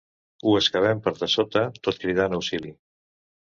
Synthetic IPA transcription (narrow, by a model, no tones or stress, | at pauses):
uəskaβ̞ɛmpəɾðəsot̪ət̪ot̪kɾiðanəwsili